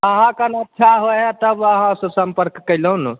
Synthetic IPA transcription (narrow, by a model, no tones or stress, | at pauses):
əɦãkənətːʃʰaɦoɛt̪əbəɦãsəsəmpəɾkːəɪləun